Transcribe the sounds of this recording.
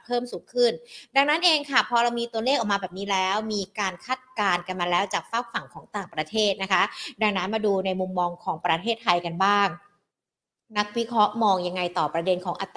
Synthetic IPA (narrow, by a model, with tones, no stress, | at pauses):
pʰɤː˥˩msuː˩˦ŋkʰɯ˥˩nda˧ŋnaː˦˥nʔeː˧ŋkʰa˥˩pʰɔː˧ɾa˧wmiː˧t̪u˧ɐleː˥˩k̚ʔɔː˨˩kmaː˧bɛː˨˩p̚niː˦˥lɛː˦˥wmiː˧kaː˧nkʰaː˥˩t̪̚kaː˧nka˧nmaː˧lɛː˦˥wt͡ɕaː˨˩k̚faː˥˩w̚fa˨˩ŋkʰɔː˩˦ŋt̪aː˨˩ŋpɾa˧t̪ʰeː˥˩t̪̚na˦˥kʰa˦˥da˧ŋna˦˥nmaː˧duː˧na˧jmu˧mːɔː˧ŋkʰɔː˩˦ŋpɾa˧t̪ʰeː˥˩t̪ʰːa˧jka˧nbaː˥˩ŋ | na˦˥k̚wi˦˥kʰɾɔ˦˥ʔmɔː˧ŋja˧ŋːa˧jt̪ɔː˨˩pɾa˧de˧nkʰɔː˩˦ŋʔa˧˩t̪ː